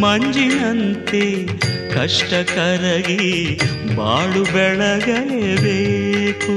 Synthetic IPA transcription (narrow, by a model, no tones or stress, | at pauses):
mɐɲd͡ʒinɐnt̪e | kɐʂʈɐkɐɾɐɡi | ba̰ːɭubɛɭɐɡɐlebeːku